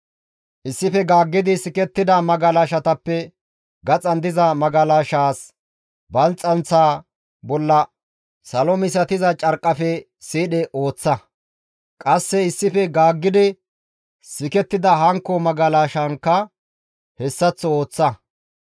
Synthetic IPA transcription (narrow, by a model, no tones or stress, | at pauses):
ʔɪsːɪfɛɡaːɡːɪd̪ɪsɪkɛt̪ːɪd̪ɐmɐɡɐlaːʃɐt̪ɐpːɛ | ɡɐt͡sʼɐnd̪ɪzɐmɐɡɐlaːʃaːs | bɐnt͡sʼːɐnt͡sːaː | bɔlːɐ | sɐlɔmɪsɐt̪ɪzɐt͡ʃʼɐɾkʼːɐfɛ | siːɗɛʔo̞ːt͡sːɐ | kʼɐsːɛɪsːɪfɛɡaːɡːɪd̪ɪ | sɪkɛt̪ːɪd̪ɐɦɐŋkːɔmɐɡɐlaːʃɐŋkːɐ | hɛsːɐt͡sːɔo̞ːt͡sːɐ